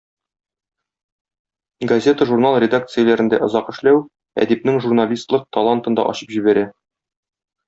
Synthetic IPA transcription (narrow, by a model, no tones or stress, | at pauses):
ɡɐzʲe̞t̪əʒurnalˠrʲɪd̪ak̚t̪sɨjəlæɾɘ̆nd̪æʔŏzɑqɘ̆ʃlæw | æ̰d̪ip̚nɘŋʒurnalʲist̪lˠɤq̚t̪ɐlˠant̪ɤ̆nd̪ɑ̰ʔɒ̰ɕɤ̥pʑibæɾæ